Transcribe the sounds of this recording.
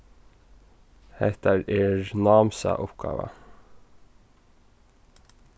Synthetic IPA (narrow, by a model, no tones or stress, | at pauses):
hæɪt̪əɾeːɹnɑːmsɑ̰ʔʊpɡɑ̰ːʋə̰